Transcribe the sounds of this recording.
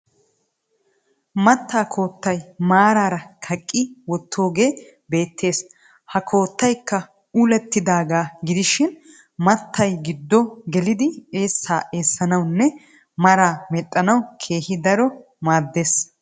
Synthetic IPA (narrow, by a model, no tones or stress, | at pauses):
mɐt̪ːaːkʰo̞ːt̪ːɐjmaːɾaːɾɐkʰɐkʼːɪwɔt̪ʰːo̞ːɡe̞ː | be̞ːt̪ʰːe̞ːs | hɐkʰo̞ːt̪ːɐjkːɐ | uːlɛt̪ːɪd̪aːɡaːɡɪd̪ɪʃɪn | mɐt̪ʰːɐjɡɪd̪ːɔɡɛlɪd̪ɪe̞ːsːaːʔe̞ːsːɐnɐwnːɛ | mɐɾaːmɛtʼːɐnɐwkʰe̞ːhɪd̪ɐɾɔ | maːd̪ːe̞ːs